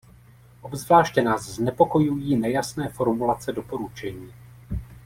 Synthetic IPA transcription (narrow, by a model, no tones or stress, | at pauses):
ʔo̞bzvlaːʃcɛnaːzznɛpo̞ko̞jujiːnɛjasnɛːfo̞ɾmulat͡sɛdo̞po̞ɾut͡ʃɛɲiː